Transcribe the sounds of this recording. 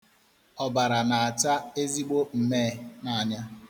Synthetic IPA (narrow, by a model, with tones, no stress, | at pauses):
ɔ˨ba˨ɾa˨na˨a˨t͡ʃa˦e˦zi˦ɡ͡bo˦m̩˨me˦˨na˨a˨ɲa˦